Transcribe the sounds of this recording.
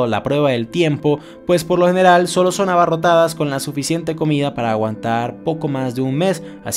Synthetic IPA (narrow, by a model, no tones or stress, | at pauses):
la̰pɾwe̞β̞aðe̞lt̪je̞mpo̞ | pwe̞spo̞ɾlo̞xe̞ne̞ɾalso̞lo̞so̞naβaro̞t̪aðasko̞nlasufisje̞nt̪e̞ko̞miðapaɾaːɣwant̪aɾpo̞ko̞mazðe̞unme̞s | a̰s